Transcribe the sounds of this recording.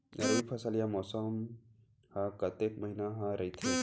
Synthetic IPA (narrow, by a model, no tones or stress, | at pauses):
ɾɐipʰɐsəlijamɔːsəm | hãkɐt̪ek̚mɐɦinaɦãɾɐit̪ʰe